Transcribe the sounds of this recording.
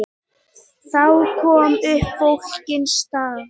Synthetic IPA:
θawkʰɔːmʏhpfowlcɪnst̪aː

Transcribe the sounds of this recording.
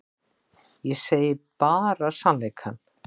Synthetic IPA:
jɛseːjɪpaːɾasanlejkʰan

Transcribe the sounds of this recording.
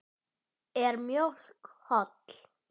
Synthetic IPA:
ɛɾmjol̥khɔt̪l̥

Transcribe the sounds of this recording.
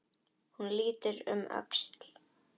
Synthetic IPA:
hunliːt̪ʏɾʏ̰mʔœ̰kst̪l̥

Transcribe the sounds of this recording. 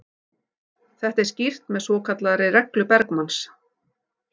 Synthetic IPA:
θɛht̪ɛɾscir̥t̪mɛðsvɔːkʰat̪laɾɪɾɛklʏpɛɾkmans

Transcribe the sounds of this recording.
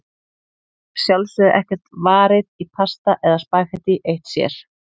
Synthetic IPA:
sjalsʏðʔɛhcɛr̥t̪vaːɾɪðitʰast̪aʔɛðaspaːjxɛt̪iʔejht̪sjɛ̰ɾ̥

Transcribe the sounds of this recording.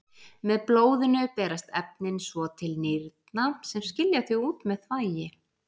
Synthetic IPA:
mɛðploːwðɪnʏpɛːɾast̪ɛp̚nɪnsvɔt̪ʰɪlnɪɾt̪nasɛmscɪljaθʏɣuːt̪mɛðθvaːjɪ

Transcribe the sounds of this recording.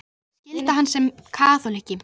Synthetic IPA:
scɪlt̪aɦanːsɛmkʰaːθɔlehcɪ

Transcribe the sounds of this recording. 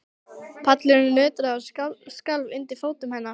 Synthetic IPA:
pʰat̪lɪnʏnœːt̪ɾaaskalvɪnt̪ifoːwt̪ʏmhɛnːa

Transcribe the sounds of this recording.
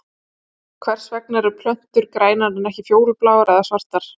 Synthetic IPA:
kʰvɛr̥svɛknaɾʏpʰl̥œn̥t̪ʏɾkɾaːjnaɾɪnɛhcɪfjoːwɾʏplaːwaɾɛðasvar̥t̪aɾ̥

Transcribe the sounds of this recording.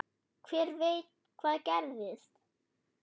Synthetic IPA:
kʰv̥ɛːɾvejt̪ | kʰv̥aːðcɛɾðɪst̪

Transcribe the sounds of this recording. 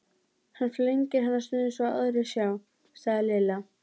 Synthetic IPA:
hanfleɲcɪɾɦanːaɾst̪ʏːðɪnsvɔa̰ðɾɪsjaw | saɣðɪlɪːla

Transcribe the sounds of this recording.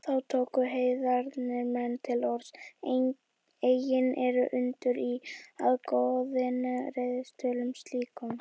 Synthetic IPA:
θawt̪ʰoːwkʏɦeːjðaɾnɪɾmɛnːt̪ʰɪlɔɾs | eːjɪnɛɾʏʔʏnt̪ʏɾiaðkoðɪnaɾeðɪst̪œːlʏmst̪liːkʏm

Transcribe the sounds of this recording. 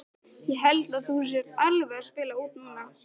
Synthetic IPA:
jɛɦɛlt̪aðθus̬jɛɾt̪alvɛḁspɪːlauːt̪nunːa

